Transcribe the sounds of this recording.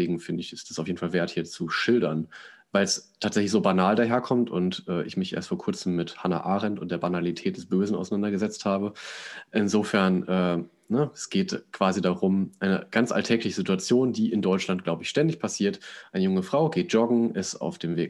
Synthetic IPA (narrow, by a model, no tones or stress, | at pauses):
eːɡŋ̩fɪndəɪçɪstasaʊfjeːdn̩falveːɐthiːɐt͡suʃɪldɐnvaɪlstʰaːtz̥ɛçlɪçz̥oːbanaːldaːɦeːɐkʰɔmtʊntʔɛːʔɪçmɪçʔḛːɐstfoːɐkʰʊɐt͡sm̩ːɪthana̰ʔaːʁɛntʊnt̚d̥eːɐbanalitʰɛːt̚d̥ɛsb̥øːzn̩aʊsaɪnandɐɡəzɛt͡sthaːbəʔɪnzoːfɛɐnʔɛː | nəɛsɡ̥eːtkv̥aːzidaʁʊmʔaɪnə̰ɡ̥ant͡sʔa̰ltʰɛːklɪçəzituat͡sjoːndiːʔɪndɔʏt͡ʃlant̚ɡ̥laʊbəɪçʃtɛndɪçpʰasiːɐtʔaɪnəjʊŋəfʁ̥aʊɡeːt̚ʒ̥ɔɡŋ̩ʔɛsa̰ʊfd̥eːmvḛː